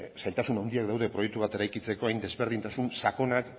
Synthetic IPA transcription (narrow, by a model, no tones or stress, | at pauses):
sajlt̪asunawnd̪iakd̪awðe̞pɾo̞jek̚t̪uβ̞at̪e̞ɾajkit͡se̞ko̞ajnd̪e̞zβe̞ɾð̞int̪asunsako̞nak